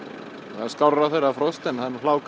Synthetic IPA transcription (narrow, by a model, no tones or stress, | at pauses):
θaðskawraθejrafɾɔwst̪ɛnθanːlaːwk